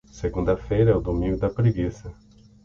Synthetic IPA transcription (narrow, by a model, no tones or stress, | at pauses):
seɡũnd̪ɐfejɾɐɛʊd̪omĩŋɡʊd̪ɐpɾiɡisɐ